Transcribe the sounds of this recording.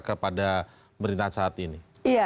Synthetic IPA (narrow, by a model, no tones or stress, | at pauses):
kəpada | məɾint̪asaːt̪ini | ia